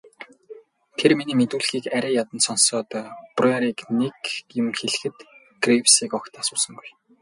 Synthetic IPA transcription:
t̪ʰerminiːmet̪uːɮxiːkæɾʲæːjat̪ə̆nsɔnsɔːt̪ːpreɾiːknekjʊ̆mxeɮɘ̆xɘ̆t̪ | ɡ̥rewsiːkɔkt̪ʰasʊːsə̆ŋɡuj

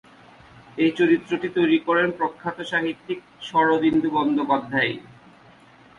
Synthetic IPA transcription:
et͡ɕoɾit̪ːɾoʈit̪ojɾikɔɾenpɾokʰːat̪oʃaɦit̪ːik̚ | ʃɔɾobind̪ʱubɔnd̪opad̪ʱːae

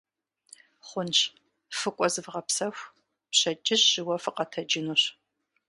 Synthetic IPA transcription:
χʷʊnt͡ʃ | fɨkʷʼɔzɨvʁɐpsɐxʷ | pɕɐt͡ʃʼɪɕːɪwɐfɨqʼɐtʰɐd͡ʒɪnuɕ

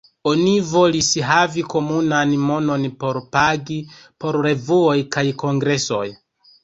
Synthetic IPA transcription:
onivo̞lisɦaviko̞munanmo̞no̞npo̞ɾpaɡipo̞ɾɾe̞vuojkajko̞ŋɡɾe̞so̞̰j

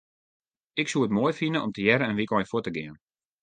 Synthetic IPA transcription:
ɪksuəətmoːjfinəʔɔmtəjɛɾəɛnʋikɔjəfwutəɡɪən

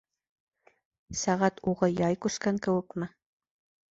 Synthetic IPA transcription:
sæʁæt̪uʁɤjɑjkʉskæŋkɘ̆wɘ̆kmɘ

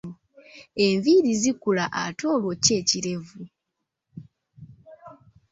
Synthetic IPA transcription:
e̞ɱviɾizikulaʔa̰to̞ːlwoce̞ːciɾe̞vu

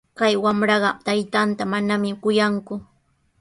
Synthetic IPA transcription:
kajwamɾɑɢɑmt̪ajt̪ant̪amanamɪkʊjaŋkʊ

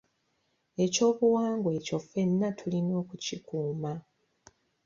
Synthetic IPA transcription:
e̞co̞ːβuwaːŋɡwe̞co̞fe̞nːatʰulino̞ːkucikuːma

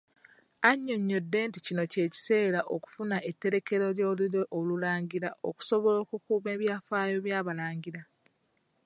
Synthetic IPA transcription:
aɲːo̞ɲːo̞dːe̞ːnticino̞ce̞ːci̥se̞ːɾaʔo̰ku̥funaʔe̞tːe̞ɾe̞ke̞ɾo̞ljo̞ːluɾweʔolulaːɲɟiɾaʔo̰ku̥so̞βo̞lo̞ːkukuːme̞ːβjaːfaːjo̞βjaːβalaːɲɟiɾa

